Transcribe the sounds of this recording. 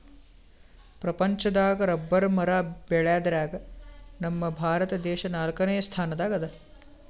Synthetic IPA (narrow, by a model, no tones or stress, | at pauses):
pɾɐpɐɲt͡ʃɐd̪aːɡɐɾɐbːɐɾmɐɾaːbeɭjaːd̪ɾaːɡɐnɐmːɐbʱaːɾɐt̪ɐd̪ɛːʃɐnaːlkɐnejɐst̪ʰaːnɐd̪aːɡɐd̪ɐ